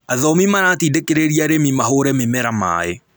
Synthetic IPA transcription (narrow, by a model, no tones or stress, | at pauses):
aðɔmimaɾatidekeɾeɾiaɾemimaɦoɾɛmemɛɾama̰e